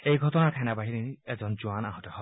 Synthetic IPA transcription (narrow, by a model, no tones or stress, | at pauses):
ejɡʱɔtɔnakʰɛnabaɦiɾinied͡ʒɔnd͡ʒuanaɦɔtɔhɔ